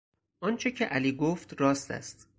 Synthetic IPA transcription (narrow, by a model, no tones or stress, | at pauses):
ʔɒːnt͡ʃʰe̞cʰeʔæliːɡoft̪ɾɒːst̪æ̰st̪